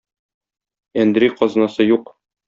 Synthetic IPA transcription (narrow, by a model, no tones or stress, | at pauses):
ænd̪ɾiqɒznɑsɤjuq